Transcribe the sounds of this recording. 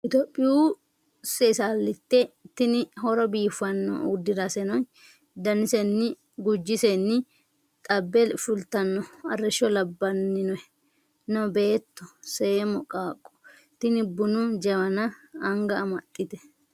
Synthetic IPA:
ʔɪt̪opʼːɪjuː | sesaːlːɪt̪ːɛt̪ːɪnɪhɔɾɔbiːfɐnːɔ̰ud̪ːɪɾɐsɛnɔn | d̪ɐnɪsɛnːɪ | ɡʊd͡ʒːɪsɛnːɪ | t̪ʼɐbːɛlfʊlt̪ɐnːɔɐrːɛʃɔlɐbːɐnːɪnɔɛ | nɔbe̞ːt̪ːɔsɛmɔkʼaːkʼːɔ̥ | t̪ɪnɪbːʊnud͡ʒɐwɐnɐɐŋɡɐːmɐt̪ʼːɪt̪ɛ̥

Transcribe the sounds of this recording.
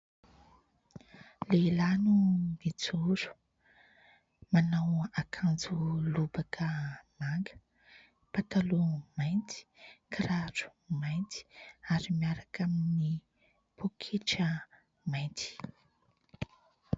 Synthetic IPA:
lelanumit͡suɾu̥ | manawakʰand͡zulubakʰəmaŋɡə̥ | pat̪alumajnt̪i̥kʰɾaɾu̥majnt̪i̥aɾimiaɾakamini | pokʰeʈ͡ʂə | majnt̪i̥

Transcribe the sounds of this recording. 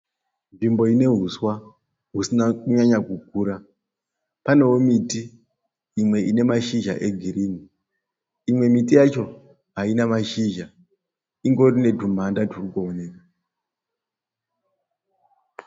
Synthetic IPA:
ɱvimbo̞ine̞ɦuswa | ɦusinakuɲaɲakuk̚uːɾa | pane̞womitiː | mwe̞ʔine̞maʃiʒa̰ʔe̞ɡʱiɾiːni | imwe̞mitijat͡ʃo̞ | ɦainamaʃiʒa | iŋɡo̞rine̞dʱum̤andadʱurukoone̞ka

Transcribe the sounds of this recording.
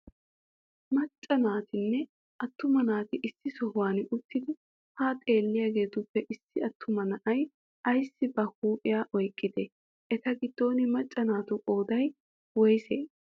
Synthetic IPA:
mɐt͡ʃʼːɐnaːt̪ɪnːɛ | ɐt̪ːʊmɐnaːt̪ɪʔɪsːɪsɔhʊwaːnʊt̪ːɪd̪ɪ | hɐt̪ʼe̞ːlːɪjaːɡe̞ːt̪ʊpːɛʔɪsːɪɐt̪ʰːʊmɐnɐʔɐj | ʔɐjsːɪbɐhuːpʼɪjaːʔɔjkʼːɪd̪ɛ | ʔɛt̪ɐɡɪd̪̥ːo̞ːnɪmɐt͡ʃʼːɐnaːt̪ʊkʼo̞ːd̪ɐj | wɔjseː

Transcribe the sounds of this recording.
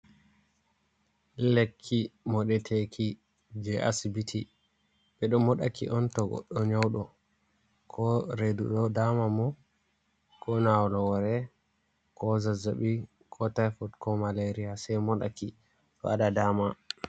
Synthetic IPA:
lekʰːimɔɗɛtʰekʰi | d͡ʒɛʔa̰sibitʰi | ɓɛɗɔmɔɗa̰kḭʔɔntɔɡɔ̰ɗːɔɲawɗɔ | kʰɔɾeduɗɔdamamɔ | kʰɔnawlɔwɔɾɛ | kɔzazaɓi | kʰɔtajfɔtkɔmaleɾiasɛjmɔɗa̰ki | ɗɔ̰aɗadaːma

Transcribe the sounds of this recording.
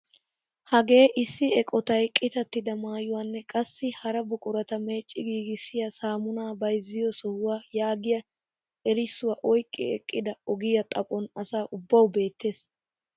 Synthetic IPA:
hɐɡe̞ːʔɪsːɪɛkʼɔt̪ɐjkʼɪt̪ɐt̪ːɪd̪ɐmaːjʊwaːnːɛkʼɐsːɪhɐɾɐbʊkʼʊɾɐt̪ɐme̞ːt͡ʃʼːɪɡiːɡɪsːɪjɐsaːmʊnaːbɐjzːɪjɔsɔhʊwaːjaːɡɪjɐ | ɛɾɪsːʊwaːʔɔjkʼːɪ̰ɛ̰kʼːɪd̪ɐɔɡɪjɐt̪ʼɐpʼɔnɐsaːʔʊbːɐwbe̞ːt̪ːe̞ːs

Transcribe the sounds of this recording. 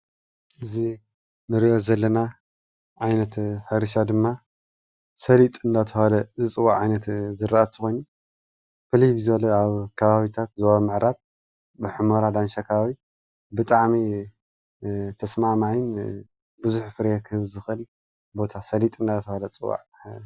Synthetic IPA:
ʔɨzi | nɨɾiʔo̞zɐlːɐna | ʕajnɐt̪ħɨɾɨʃad̪ɨmːa | sɐlit̪ʼɨnd̪at̪ʰɐhalɐzɨt͡sʼɨwaʕʕajnɐt̪zɨɾaʔɐt̪ʰɨxo̞jnu | fɨliβizɐlɐaβkʰɐβaβit̪ʰat̪zoβamɨʕɾaβ | bɨħɨmoɾad̪anʃakʰɐβaβi | bɨt̪ʼaʕmi | t̪ʰɐsmamaʕɪn | bɨzuħfɨɾjekʰɨhɨβzɨxʔɨl | bo̞t̪ʰasɐlit̪ʼɨnd̪at̪ʰɐhalɐt͡sʼɨwːa̰ʕ

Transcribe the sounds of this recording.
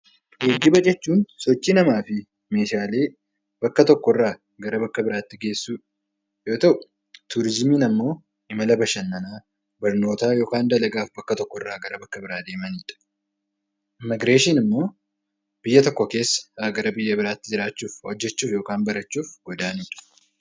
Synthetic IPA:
ʔeːɡːɪbɐd͡ʒʼɛt͡ʃːuːnsɔt͡ʃːiːnɐmaːfɪ | me̞ːʃaːle̞ː | b̥ɐkːɐt̪ɔkːɔrːaː | ɡɐɾɐbɐkːɐbɪɾaːt̪ːɪɡe̞ːsːuː | jo̞ːt̪ɐʔ | t̪uːɾɪzmiːnɐmːo̞ː | ɪmɐlɐbɐʃɐnːɐnaː | bɐɾno̞ːt̪aːjo̞ːkaːnd̪ɐlɐɡaːfbɐkːɐt̪ɔkːɔrːaːɡɐɾɐbɐkːɐbɪɾaːd̪e̞ːmɐniːᶑɐ̥ | ʔɪmɪɡɾeːʃɪnɪmːo̞ː | b̥ɪjːɐt̪ɔkːɔke̞ːsːɐ̥aɡɐɾɐbɪjːɐbɪɾaːt̪ːɪd͡ʒɪɾaːt͡ʃːuːfhɔd͡ʒːɛt͡ʃːuːfjo̞ːkaːnbɐɾɐt͡ʃːuːfɡ̥ɔd̪aːniːᶑɐ̥

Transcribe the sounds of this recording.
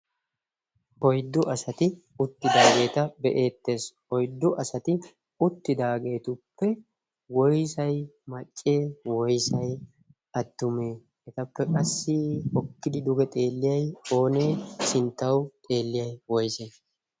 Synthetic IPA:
ʔɔjd̪ːʊʔɐsɐt̪ɪ | ʊt̪ːɪd̪aːɡe̞ːt̪ɐbɛʔe̞ːt̪ːe̞ːs | ɔjd̪ːʊʔɐsɐt̪ɪ | ʊt̪ːɪd̪aːɡe̞ːt̪ʊpːɛ | wɔjsɐjmɐt͡ʃʼːeːwɔjsɐj | ɐd̪̥ːʊmeː | ɛt̪ɐpːɛkʼɐsːɪhɔkːɪd̪ɪd̪ʊɡɛt̪ʼe̞ːlːɪjɐjo̞ːne̞ːsɪnt̪ːɐwt̪ʼe̞ːlːɪjɐjwɔjsɐj

